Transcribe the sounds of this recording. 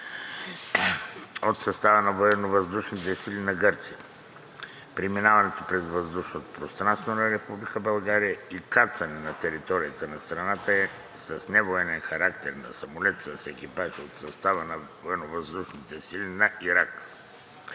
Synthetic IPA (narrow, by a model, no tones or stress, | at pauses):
ot̪sɐst̪avənɐvoɛnːovɐzd̪uʃnit̪ɛsilinɐɡəɾt̪siə | pɾiminavɐnɛt̪opɾɛzvəzd̪uʃnot̪o̥pɾost̪ɾanst̪vonɐɾɛpublikəbɐlˠɡaɾijəikat̪svɐnɛnɐt̪ɛɾit̪ɔɾijət̪ənɐst̪ɾɐnat̪əɛ | sɐsnɛvoɛnɛnxɐɾak̚t̪ɛɾnɐsɐmolɛt̪səsɛkipaʒot̪sɐst̪avənɐvoɛnovɐzd̪uʃnit̪ɛsilʲinɐiɾak